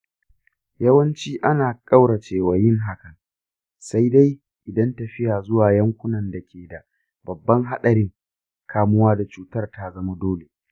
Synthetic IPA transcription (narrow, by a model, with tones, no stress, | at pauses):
jɐ˦wɐ˦nt͡ʃiː˦ʔa˦naː˨kʼa˦wɽɐ˨t͡ʃeː˨wa˨jɪ˦ŋɦa˦kɐ˨ŋ | sa˦jda˦j | ʔɪ˨dɐ˦ntɐ˨ɸɪ˦jaː˨zʊ˦waː˨jɐ˦ŋkʷʊ˦nɐ˨nda˨kʲʰeː˨da˨ | bɐ˨bːɐ˦ŋɦa˦ɗɐ˨ɾɪ˦ŋ | kʰaː˦mʊ˦waː˦da˨t͡ʃuː˨tɐ˦rta˦zɐ˦ma˦doː˦le˨